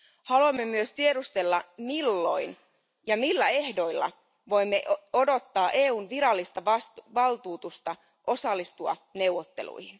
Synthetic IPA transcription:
hɑluɑmːemyøst̪iedust̪e̞lːɑmilːo̞̰jn | jɑmilːæe̞hdo̞ilːɑ̰ | ʋo̞jmːeʔo̞do̞t̪ːɑːʔe̞ːuːnʋiɾɑlːist̪ɑʋɑsʋɑlt̪uːt̪ust̪ɑ | ʔo̞sɑlːist̪uɑ̰ne̞wʋːˑot̪ːe̞lṵjhin

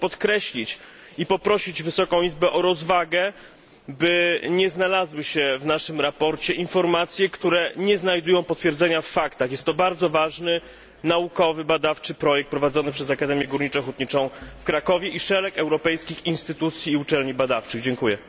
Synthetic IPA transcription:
pɔt̪kɾɛɕlʲit͡ɕ | ipɔpɾɔɕid͡ʑvɘsɔkɔ̃w̃izbɛʔɔɾɔzvaɡɛ | bɘɲɛznalazwɘɕɛvnaʂɘmɾapɔɾt͡ɕɛʔinfɔɾmat̪sʲjɛkt̪uɾɛɲɛznajd̪ujɔ̃w̃pɔt̪fʲjɛɾd̪zɛɲafːakt̪axjɛst̪ːɔbaɾd̪zɔvaʐnɘ | naukɔvɘbad̪aft͡ʂɘpɾɔjɛk̚t̪pɾɔvad̪zɔnɘpʂɛzakad̪ɛmʲjɛɡuɾɲit͡ʂɛxut̪̚ɲit͡ʂɔ̃w̃fkɾakɔvʲjɛʔiʂɛlɛkɛwɾɔpɛjskʲixinst̪ɘt̪ut̪sʲjiːut͡ʂɛlɲibad̪aft͡ʂɘɣd͡ʑɛŋkujɛ

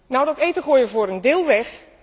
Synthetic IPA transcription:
nawdɔtejtəχoːjəvoːɾəndɪːlˠʋɛx

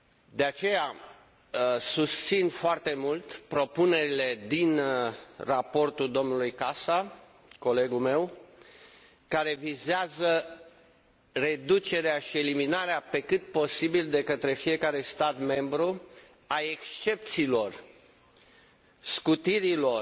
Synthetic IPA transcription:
d̪e̞at͡ʃe̞ja | sust̪sinfoart̪e̞mult̪pɾo̞pune̞ɾile̞d̪in | rapo̞rt̪uld̪o̞mnulujkasa | ko̞le̞ɡulme̞w | kaɾe̞vizeazə | re̞d̪ut͡ʃe̞ɾeaʃie̞liminaɾeape̞kɨt̪̚po̞sibild̪e̞kət̪ɾe̞fije̞kaɾe̞st̪at̪me̞mbɾu | ae̞kst͡ʃe̞p̚t̪siːlo̞r | skut̪iɾilo̞r

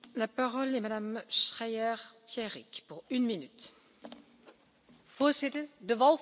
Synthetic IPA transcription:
lapaʁɔlɛmad̪amʃχɛjɛʁpjɛʁikpuʁynminyt̪ | foːzɪtədəʋɑl

